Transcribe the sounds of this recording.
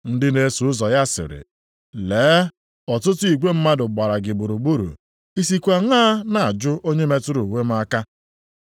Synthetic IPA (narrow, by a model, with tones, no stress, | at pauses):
n̩˦dɪ˦ne˦su˨ʊ˦zɔ˨ja˦sɪ̰˨ɾɪ̰˨ | leː˨˦ | ɔ˨tʊ˦tʊ˦i˨ɡʷe˦m̩˦ma˦dʊ˨ɡ͡ba˨ɾa˨ɡɪ˨bu˨ɾu˨ɡ͡bu˦ɾṵ˨ | i˦si˨kʷa˨ŋaː˦na˨a˨d͡ʒʊ˦ʔo˦ɲe˦me˦tʊ˦ɾu˨we˦m̩˦a˦ka˦